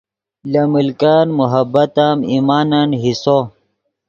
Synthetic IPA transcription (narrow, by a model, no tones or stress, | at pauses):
lɐmilkaːnmuɦɐbɐt̪amimaːnɐnɦiso